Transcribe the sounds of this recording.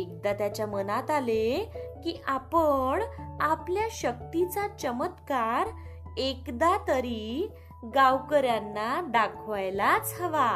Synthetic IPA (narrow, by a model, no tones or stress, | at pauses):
ek̚d̪at̪jat͡ɕjamənat̪alekiʔapəɳapljaɕək̚t̪it͡sat͡ɕəmət̪kaɾ | ekd̪at̪əɾi | ɡawkəɾjanːaɖakʰʋajlat͡səʋa